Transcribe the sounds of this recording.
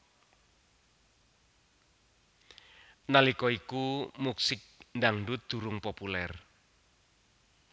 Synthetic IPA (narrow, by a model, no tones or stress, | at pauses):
nalikɔikumuksɪk̚nɖaŋɳɖut̪̚d̪̥ṳɾʊŋpopulɛr